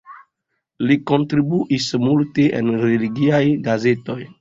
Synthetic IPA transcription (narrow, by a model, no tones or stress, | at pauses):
liko̞ntɾibuʔismulteʔḛnɾeliɡiajɡaze̞to̞j